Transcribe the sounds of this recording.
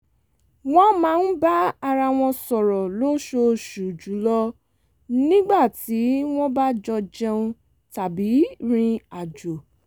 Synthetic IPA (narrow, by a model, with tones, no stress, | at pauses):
w̃ɔ̃˦mãː˨˦˧n̩˦ba˦a˧ɾa˧w̃ɔ̃˧sɔ˨ɾɔ˨lo˦ʃo˧ʃu˨d͡ʒu˨˦lɔ˦ | nĩ˦ɡ͡ba˦˨ti˨˦w̃ɔ̃˦ba˦d͡ʒɔ˧d͡ʒɛ˧ũ˧ | ta˨bi˨˦ɾ̃ĩ˧a˨d͡ʒo˨